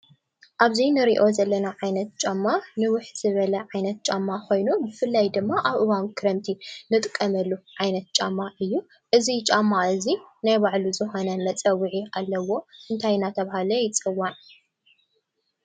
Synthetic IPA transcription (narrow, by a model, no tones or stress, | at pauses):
ʔaβzinɨɾiʔo̞zɐlːɐnaʕajnɐt̪̚t͡ʃʼamːanɨwʊħz̥ɨβɐlɐʕajnɐt̪̚t͡ʃʼamːako̞jnubɨfɨlːajd̪ɨmːaʔaβʔɨwankʰɨɾɐmt̪ʰinɨt̪ʼɨkʼːɐmɐlːuʕajnɐt̪̚t͡ʃʼamːaʔɨjːu | ʔɨzit͡ʃʼamːaɨzinajbaʕluzɨxonɐmɐt͡sʼɐwːiʕiʔalːɐwo̞ʔɨnt̪ʰajnat̪ʰɐβahalɐjɪt͡sʼɨwːan